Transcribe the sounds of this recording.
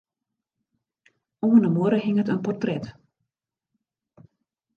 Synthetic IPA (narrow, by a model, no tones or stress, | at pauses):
oənəmoəɾəɦɪŋətənpɔrtrɛt